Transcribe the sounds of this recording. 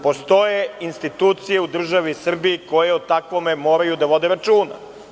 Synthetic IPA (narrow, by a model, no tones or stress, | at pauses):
po̞st̪o̞jeinst̪it̪uːt̪sije̞ud̪r̩ʒaʋisr̩biiko̞jeot̪akʋome̞mo̞ːɾajud̪aʋo̞d̪eɾat͡ʃuːna̰